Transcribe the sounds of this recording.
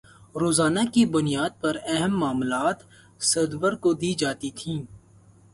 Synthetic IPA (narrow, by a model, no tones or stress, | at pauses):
ɾoːzaːnakibʊnijaːd̪̚pɐɾɛɦəmːaːmlaːt̪ | sɐd̪ʋəɾkod̪iːd͡ʒaːt̪it̪ʰĩː